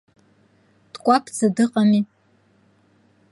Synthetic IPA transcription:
d̥kʷʼapʰzɨdɨqʼami

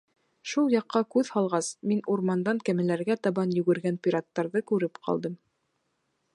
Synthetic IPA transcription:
ʃulˠjɑqːɑkʉðhɑlˠʁɑsminuɾmɑnd̪ɑŋkæmɘ̆læɾɡæt̪ɑβɑnjɵ̆ɡɘ̆ɾɡænpʲiɾɑt̪ːɑɾðɤkʉɾɘpqʰɑ̰lˠd̪ɤm

